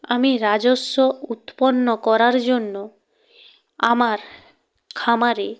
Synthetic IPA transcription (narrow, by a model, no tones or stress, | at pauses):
amiɾad͡ʑosːout̪ponːokɔɾaɾd͡ʑonːo | amaɾ | kʰamaɾe